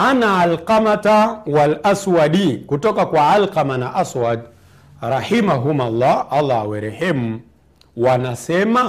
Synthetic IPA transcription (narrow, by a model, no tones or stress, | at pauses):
anaalqamatawalaswaɗikutɔkakwaalqamanaʔaswad | ɾahimaɦumalˤːaalːawɛɾɛhɛmu | wanasɛma